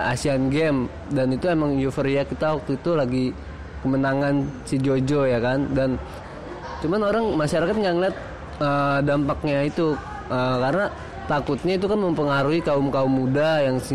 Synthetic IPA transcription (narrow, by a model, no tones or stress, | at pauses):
a̰sianɡɛm | danit̪uemaŋjufəɾiakit̪awak̚t̪uit̪ulaɡi | kəmənaŋansid͡ʒod͡ʒojakandan | t͡ʃumanoɾaŋmaʃaɾakat̪̚ŋɡaʔŋəliat̪̚ | ədampak̚ɲait̪u | əkarəna | t̪akʊt̪̚ɲait̪̬ukanməmpəŋaɾuɦikaʊmkaʊmːudajaŋs